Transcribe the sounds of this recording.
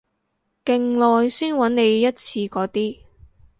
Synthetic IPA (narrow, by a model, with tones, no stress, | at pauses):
kɪ˨ŋlɔː˨˧jsiː˥nwɐ˨˥nne˨˧jːɐ˥t̚t͡sʰiː˧kɔː˨˥t̪iː˥